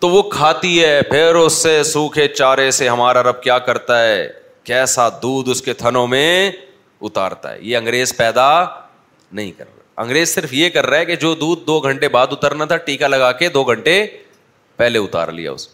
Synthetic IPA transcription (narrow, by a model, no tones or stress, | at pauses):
t̪oʋokʰaːt̪iɦɛpʰɪɾʊsːesũːkʰet͡ʃaːɾeseɦɐmaːɾaɾɐb̚kjaːkɐɾt̪aɦɛː | kɛːsad̪uːd̪ʊsket̪ʰɐnõmẽ | ʊt̪a̰ːɾt̪a̰ɦɛ̰jeɐ̃ŋɡɾeːzpɛːd̪a | nɐɦĩkɐ̰ɾaaɐ̰̃ŋɡɾeːzsɪɾfjekɐɾːaɦɛked͡ʒoːd̪uːd̪̚ːoːɡʱɐ̃ɳʈebaːd̪ʊt̪əɾnat̪ʰaʈiːkalɐɡaːked̪oːɡʱɐ̃ɳʈe | pɛɦleʊt̪a̰ːɾlḭja̰ʊ̰s